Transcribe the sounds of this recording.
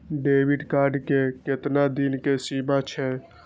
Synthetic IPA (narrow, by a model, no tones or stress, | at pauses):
ɖebiɖkaɾɖkeket̪nad̪inkesimat͡ʃʰɛ